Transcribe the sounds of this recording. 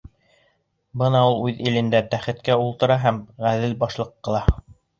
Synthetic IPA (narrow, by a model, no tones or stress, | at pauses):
bɤnɑulˠʉðilɘ̆nd̪æt̪æχɘ̆t̪kæulˠt̪ɤ̆ɾɑɦæmʁæðɘlbɑʃlˠɤqːɤ̆lˠɑ